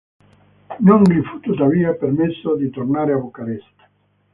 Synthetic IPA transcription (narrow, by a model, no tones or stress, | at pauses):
noŋlifut̪ut̪aviːapeɾmesːod̪it̪ornaːɾeabokaɾɛst̪ḁ